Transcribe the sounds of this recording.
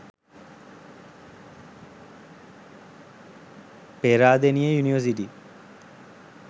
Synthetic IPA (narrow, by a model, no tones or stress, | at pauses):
peɾaːd̪enijəjuniʋəs̬iʈi